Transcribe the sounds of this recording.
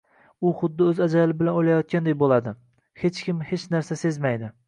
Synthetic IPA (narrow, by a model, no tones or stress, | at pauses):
ʊχʊd̪ːɪɵzad͡ʒalɪbɪlanojlajɒt̪̚kʲand̪ajbolˠad̪ɪ | het͡ʃkʲɪmhe̞t͡ʃnaɾsasezmajd̪ɪ